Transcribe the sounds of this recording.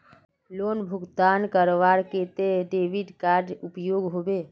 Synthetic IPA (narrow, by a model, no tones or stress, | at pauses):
loːnbʱʊɡt̪ankəɾoʋaɾket̪eɖeːʋiɖkaɾɖupjoːɡɦobe